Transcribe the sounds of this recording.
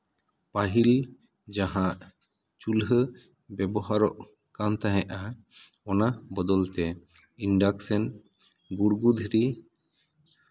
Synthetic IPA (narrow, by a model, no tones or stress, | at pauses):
paɦil | d͡ʒaɦãʔ | t͡ʃulɦə | bɛbɔɦaɾɔʔ | kant̪aɦɛ̃ʔa | ɔnabɔd̪ɔlt̪ɛ | inɖaksɛn | ɡuɾɡud̪ʱiɾi